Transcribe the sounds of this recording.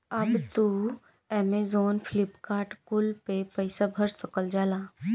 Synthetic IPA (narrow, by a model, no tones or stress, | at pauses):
ɐbt̪u | ɛːmezoːnfʰlɪpkaːɾʈkʊlpepəɪsabʱəɾsɐkəld͡ʒaːlaː